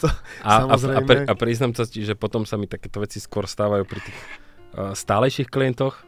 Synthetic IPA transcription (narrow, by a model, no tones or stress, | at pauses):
ʔaamazɾɛpɾʔapɾiːznamt͡sɔsciʒɛpɔt̪ɔmsamit̪akɛːt̪ɔʋɛt͡siskʊɔɾst̪aːʋajuːpɾit̪iːx | st̪aːlɛjʃixkliɛnt̪ɔx